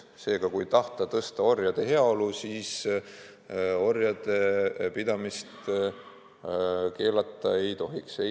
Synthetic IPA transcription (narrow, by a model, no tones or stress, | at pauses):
se̞ːɡ̥ɑkujt̪ɑht̪ɑt̪ɤst̪ɑo̞rjɑd̪̥e̞ɦe̞ɑo̞lusiːs | o̞rjɑd̪̥e̞pid̪̥ɑmist̪ | ke̞ːlɑt̪ːˑɑ̰e̞jt̪o̞ɦikse